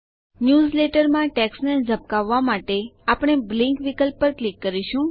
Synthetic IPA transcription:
njuzleʈəɾmãʈɛksned͡ʒʱəp̚kaʋːamaʈeapɽ̃eblĩŋkʋikəlpːəɾklikːəɾiʃũ

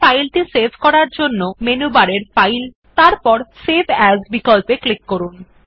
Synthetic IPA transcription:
ajlʈisebʱkɔɾaɾd͡ʑonːomenubaɾeɾfajl | t̪aɾpɔɾsebʱɛzbikɔlpeklikːoɾun

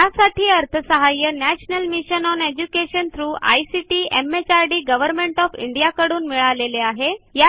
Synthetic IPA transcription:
asaʈʰiːəɾt̪ʰəsəɦajənæɕnəlmiɕənɔned͡ʑukeɕənt̪ʰɾuːʔa̰jsiʈiːemet͡ɕaɾɖiːɡəʋəɾmeɳʈɔfḭɳɖijakəɽuːnmiɭaleleaɦeja

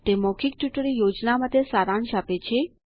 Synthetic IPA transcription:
t̪emɔkʰik̚ʈjuʈəɾijod͡ʒnamət̪esaɾanʃapet͡ʃʰe

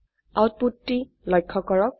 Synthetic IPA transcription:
awt̚putːi | lɔjkʰːɔkɔɹɔk̚

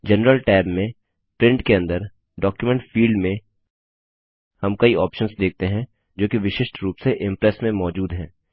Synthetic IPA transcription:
d͡ʒɛnɾəlʈɛːbmẽ | pɾɪ̃ɳʈkeɐ̃nd̪əɾ | ɖɔːkjumɛ̃ɳʈfiːɭɖmẽ | hɐmkɐiɔːpʃənsd̪eːk̚t̪eɦɛ̃ | d͡ʒoːkiʋɪʃɪʃʈɾuːpseʔɪ̃mpɾɛsmẽmɔːd͡ʒuːd̪ɦɛ̃ː

